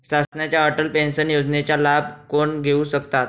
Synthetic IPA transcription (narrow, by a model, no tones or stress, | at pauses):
sasnjat͡ɕjaəʈəlpensənjod͡ʑnet͡ɕjalab̚ʱkoɳɡʱeuːɕəkt̪at̪̚